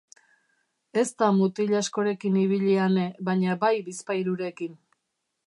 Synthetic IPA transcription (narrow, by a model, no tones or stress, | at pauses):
e̞st̪amut̪iʎasko̞ɾe̞kiniβ̞iʎiane̞βaɲabajbispajɾuɾe̞kin